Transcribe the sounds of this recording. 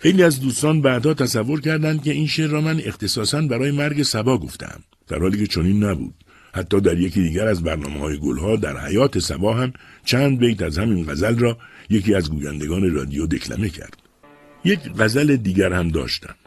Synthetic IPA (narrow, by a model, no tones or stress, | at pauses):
xejliːæzd̪uːst̪ɒːnbæːd̪hɒːt̪ʰæsævːo̞ɾcʰæɾd̪ænd̪̥̚ce̞inʃeɾːɒːmæne̞xt̪ʰe̞sɒːsænbæɾɒːje̞mæɾɡe̞sæbɒːɡo̞ft̪ʰḛæ̰m | d̪̥æ̰ɾhɒːliːce̞t͡ʃʰoniːnːæbṵːd̪̥̚ | hæt̪ʰːɒːd̪æɾjecʰiːd̪iːɟæɾæzbæɾnɒ̰ːmehɒːje̞ɡo̰lɦɒːd̪æ̰ɾhæ̰jɒːt̪ʰe̞sæ̰bɒːɦæmt͡ʃʰæːnd̪̚bejt̪æzhæminɡæzælrɒːjeciːæzɡuːjænd̪e̞ɡɒːne̞ɾɒ̰ːd̪ijod̪e̞kʰlæ̰me̞cʰæ̰ɾd̪̥̚ | jekɢæzæled̪iːɟæɾhæmd̪ɒ̰ːʃt̪æ̰m